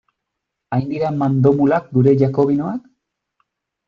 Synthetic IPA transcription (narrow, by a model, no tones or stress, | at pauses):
ajnd̪iɾamand̪o̞mulak̚ɡuɾe̞ʝako̞β̞inoak